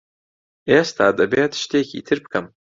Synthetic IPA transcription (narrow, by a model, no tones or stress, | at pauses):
estʰaːdabejatʰʃtʰekʲʰḭtʰɨrpʰkʰam